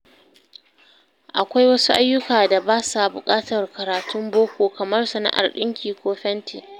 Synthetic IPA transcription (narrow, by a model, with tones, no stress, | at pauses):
ʔa˨kʷa˦jwɐ˦su˦ʔa˦jːʊ˦kaː˨da˨baː˦sa˨bʊ˨kʼaː˦tɐ˨rkɐ˨ɾaː˨tʰʊ˦mboː˦kʷoː˨kɐ˨mɐ˦rsɐ˨na̰˦ʔa̰˨rɗɪ˦ŋkʲiː˨kʷoː˦ɸɛ˦ntʰi˨